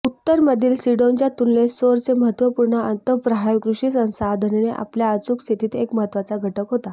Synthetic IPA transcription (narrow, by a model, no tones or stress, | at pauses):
ut̪ːəɾməd̪ʱiːlsiɽoɲt͡ɕjat̪unlesoɾt͡seməɦət̪ʋəpuɾɳəənt̪əpɾəɦajkɾuɕiːsə̃sad̪ʱəneneʔa̰pljaət͡sukst̪ʰit̪iːt̪ekməɦət̪ːʋat͡saɡʱəʈəkɦot̪a